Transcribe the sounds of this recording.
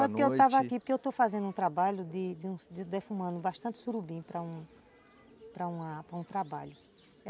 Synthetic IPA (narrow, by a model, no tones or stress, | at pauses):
w̃ɛpʊkewt̪avɐakipʊɾkeewt̪ofazẽnd̪ũt̪ɾabaʎʊd̪ɪd̪ɪũd̪ɪd̪efũmɐ̃nd̪ʊbaʃt̪ɐ̃nt̪ɪ̥suɾubĩpɾɐũ | pɾɐũɐpɾɐũt̪ɾabaʎʊ